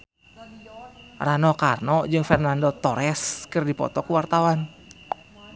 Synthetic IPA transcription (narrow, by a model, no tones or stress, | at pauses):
ranɔkarnɔd͡ʒɨŋfɛrnandɔt̪ɔɾɛskɨrdipɔ̰t̪ɔkuwart̪awan